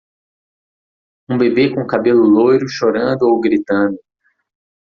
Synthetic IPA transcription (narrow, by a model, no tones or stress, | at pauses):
ũbebekõkabelʊlojɾʊʃoɾɐ̃nd̪ʊowɡɾit̪ɐ̃nd̪ʊ